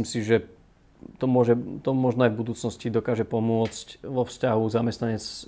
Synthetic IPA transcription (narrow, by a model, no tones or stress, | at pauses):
imsiʒɛ | t̪ɔmʊɔʒɛt̪ɔmɔʒnɔajvbud̪uːt͡snɔscid̪ɔkaːʒɛpɔmʊɔt͡scʋɔfscaɦuzamɛst̪naɲɛt͡s